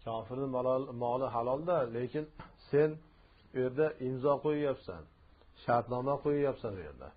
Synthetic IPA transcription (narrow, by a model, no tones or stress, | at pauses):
kʲʰɒːfɪɾnɪmɒlɪɦalˠɒlˠd̪ale̞kʲɪnse̞n | ʊje̞ɾd̪aʔɪmzɒqʰojajapsa̰n | ʃaɾt̪nɒmaqʰojajapsanoje̞̰ɾd̪a̰